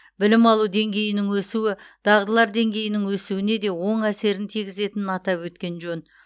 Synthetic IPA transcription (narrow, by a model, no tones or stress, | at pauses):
bɪlɪmɑlˠud̪e̞ŋɡʲe̞jɪnɪŋwɵsuwɪd̪̥ɑʁd̪əlˠɑɾd̪e̞ŋɡʲe̞jɪnɪŋwɵsuwɪne̞d̪e̞wo̞ɴæse̞ɾɪnt̪ʰiɡʲɪze̞t̪ɪnɪnɑt̪ɑpwɵt̪kʲe̞nʒɵn